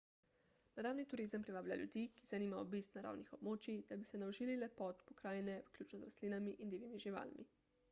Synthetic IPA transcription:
naɾaːwnit̪uɾizəmpɾiʋaːblʲjʲa̰ljṵd̪ikizaniːmaɔ̰bist̪naɾa̰ːwnixɔbmoːt͡ʃid̪abisɛnaoʒiːlilɛpɔt̪pɔkɾaːjɛnɛʋklʲuːt͡ʃnɔzɾasliːnamiʔind̪iːʋimiʒiʋa̰ːlmḭ

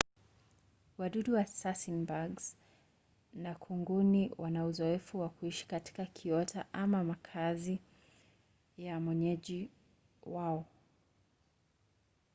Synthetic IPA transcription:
waɗuɗuwasasinbaɡz | nakʰuŋɡuniwʔanauzɔɛfuwakuiʃi̥kati̥kakʰiɔtʰaʔamamakʰazi | jamwɛɲɛʄi | waɔ

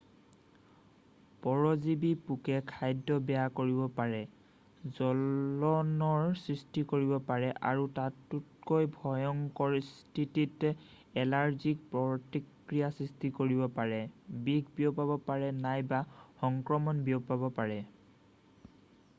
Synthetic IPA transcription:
pɔɹɔzibipukɛkʰajdːɔbɛjakoɹibɔpaɹɛ | zɔlɔnɔɹsɹistikoɹibɔpaɹɛʔa̰ɹutatːut̚kojbʱɔjɔŋkɔɹstititɛ | ɛlaɹzik̚pɹɔtik | ɹijasɹistikoɹibɔpaɹɛbiɡʱbiopabɔpaɹɛnajbaxɔŋkɹɔmɔnbiɔpabɔpaɹɛ

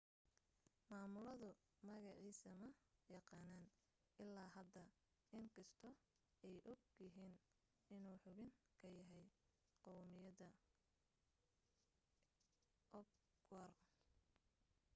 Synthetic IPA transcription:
maːmʊlɐðʊ | mɐɣɑʕiːsɐmɐjɑqɑːnaːn | ʔɪlːaːɦɐd̪ɐ | ɪŋkʰɐst̪ʰɔ | ɛjʔɔɡjɪɦiːn | ɪnuːħʊβɪŋkʰɐjɐɦɛj | qɔwmɪjɐðɐ | ʔɔɡ | wɐr

